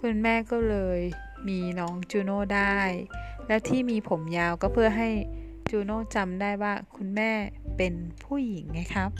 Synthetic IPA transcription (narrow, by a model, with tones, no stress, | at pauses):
kʰu˧nmɛː˥˩kɔː˥˩lɤː˧j | miː˧nɔː˦˥ŋt͡ɕuː˧noː˥˩daː˥˩jlɛ˦˥wt̪ʰiː˥˩miː˧pʰo˩˦mjaː˧wkɔː˥˩pʰɯ˥˩ɐɦa˥˩j | t͡ɕuː˧noː˥˩t͡ɕa˧mdaː˥˩jwaː˥˩kʰu˧nmɛː˥˩pe˧npʰuː˥˩ji˩˦ŋma˦˥˩jkʰa˦˥p̚